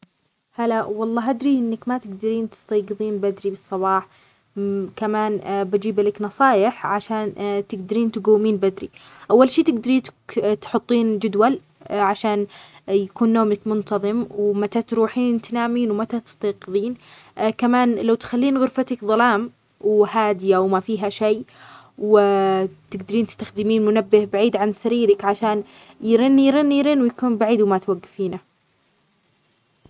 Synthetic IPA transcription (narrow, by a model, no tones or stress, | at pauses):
halawɑlˤːɑːɦʔad̪ɾiʔɪnːakmat̪ɪɡd̪aɾiːnt̪ɪ̥st̪ɑːɡɨðˤiːnbad̪ɾibɨsˤːɑβɑːħ | kamaːnbad͡ʒiːblaknɑsˤɑːjɪħʕaʃaːnt̪ɪɡd̪aɾiːnt̪ɪɡawːmiːnbad̪ɾḭ | ʔawːalʃiːt̪ɪɡd̪aɾiːt̪t̪ħʊt̪ˤːiːnd͡ʒʊd̪wal | ʕaʃaːnjakuːnːoːmakmʊnt̪ɑðˤɨmwmat̪at̪ɾuːħiːnt̪anaːmiːnwmat̪at̪ɪ̥st̪ɑːqɨðˤiːn | kamaːnlawt̪xalːiːnɣʊɾfat̪akðˤɑlɑːm | whaːd̪ɪjawmafiːɦaʃejː | w | t̪ɪɡd̪aɾiːnt̪ɪ̥st̪axd̪ɪmiːnmʊnabːɪhbaʕiːd̪ʕansaɾiːɾakʕaʃaːn | jɾɪnːijɾɪnːijɾɪnwjakuːnbaʕiːd̪wmat̪waɡːafiːna